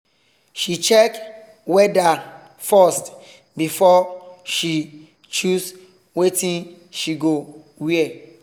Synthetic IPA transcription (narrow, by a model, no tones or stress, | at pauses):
ʃit͡ʃɛk | wɛda | fɔst | bifɔʃi | t͡ʃus | wetʰĩn | ʃiɡo | wiɛ